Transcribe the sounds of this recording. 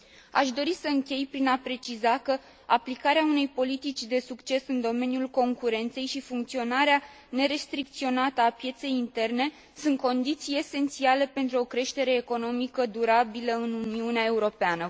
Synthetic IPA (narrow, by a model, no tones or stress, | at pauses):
a̰ʃd̪o̞ɾisəɨŋkʲe̞jpɾinapɾe̞t͡ʃizakə | aplikaɾeaune̞jpo̞lit̪it͡ʃʲd̪e̞sukt͡ʃe̞sɨnd̪o̞me̞njulko̞ŋkuɾe̞nt̪se̞jʃifuŋk̚t̪sio̞naɾea | ne̞ɾe̞st̪ɾik̚t̪sio̞nat̪əapje̞t̪se̞jint̪e̞rne̞ | sunt̪̚ko̞nd̪it̪sije̞se̞nt̪siale̞pe̞nt̪ɾuo̞kɾe̞ʃt̪e̞ɾe̞ːko̞no̞mikəd̪uɾabiləɨnuniuneae̞uɾo̞peanə